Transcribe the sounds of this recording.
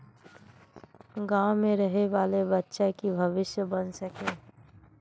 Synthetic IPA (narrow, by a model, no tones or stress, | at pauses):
ɡaʊmẽɾəɦeʋaːlebətːʃakibʱəʋɪsjəbənsəkẽː